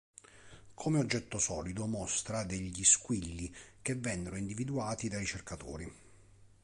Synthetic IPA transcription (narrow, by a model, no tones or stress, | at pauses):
kʰomeod͡ʒːɛt̪ːosɔːlid̪omɔst̪ɾad̪eʎːiskwilːik̟evːɛnːeɾoind̪ivid̪uaːt̪id̪aɾit͡ʃerkat̪o̰ːɾi